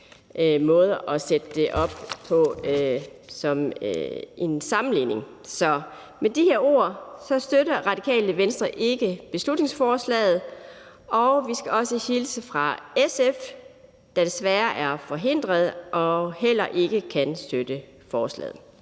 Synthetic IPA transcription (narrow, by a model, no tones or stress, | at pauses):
ʔmɔ̽ːð̞ˠɐʔɒ̽sed̥əd̥e̝ʔɒ̽b̥̚pʰɒ̽ | sɒ̽m | ensɑ̈mn̩lḭːne̝ŋ | sɒ̽ | med̥iheɐo̝̰ːɐsɒ̽sd̥øɾɐʁɑ̈d̥ikʰɛ̰ːləʋensd̥ʁɐʔe̝ɡ̥əb̥e̝slud̥ne̝ŋsfɒːslɛ̰ːð̩ˠ | ʔɒ̽ʊʋisɡ̥æɒ̽səhilsəfʁɑ̈esef | d̥æd̥esʋæːɐʔæɐfɒ̽ɦe̝n̰d̥ʁɐð̞ˠʔɒ̽ɦel̰ɐʔe̝ɡ̥əkʰænsd̥ød̥ə | fɒːslɛ̰ːð̩ˠ